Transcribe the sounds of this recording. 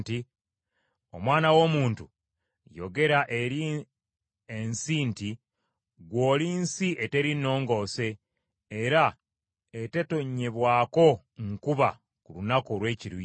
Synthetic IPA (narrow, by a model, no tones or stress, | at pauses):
ti | o̞̰mwaːnawo̞ːmuːntu | jo̞̰ɡe̞ɾaʔeɾi | ensiːnti | ɡwo̞ːliːnsiʔete̞ɾino̞ːŋɡo̞ːse̞ː | ɾa | e̞te̞to̞ɲːe̞βwaːko̞ | ŋkuβa | kulunakolwe̞ːciɾu